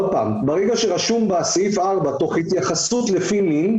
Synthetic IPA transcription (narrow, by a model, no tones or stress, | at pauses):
paːmbaʁeɡaʃe̞ʁaʃumbasaifaʁbat̪o̞χhit̪jaχasut̪lefimin